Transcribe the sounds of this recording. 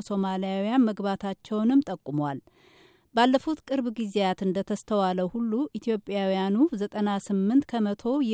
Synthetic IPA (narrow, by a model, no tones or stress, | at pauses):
so̞malijawijanməɡbat̪ʰat͡ʃːɛwnɨmt̪ʼəkʼːumwal | balːəfut̪kʼɨɾβɡizejat̪ɨnd̪ət̪ʰəst̪ʰəwaləwhulːuʔit̪ʰjo̞pʼːjawijanuzət̪ʼənasɨmːɨnt̪kʰəmət̪ʰo̞j